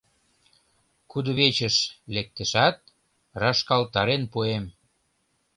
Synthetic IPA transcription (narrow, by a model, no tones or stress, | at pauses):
kud̪ə̆βet͡ɕə̆ʃlek̚t̪ə̆ʃæt̪̚ | rɑʃkɑlt̪ɑɾenpuem